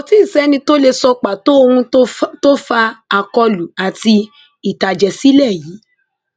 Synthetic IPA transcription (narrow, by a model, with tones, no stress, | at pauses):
ɔ˧tĩ˦n̩˨sɛ˨˦nĩ˧to˦le˧sɔ˧k͡pa˨to˨˦o˧hũ˧˦to˦fa˧a˨kɔ˧lu˨a˨ti˧ | i˨ta˨d͡ʒɛ˨si˦lɛ˦˨ji˨˦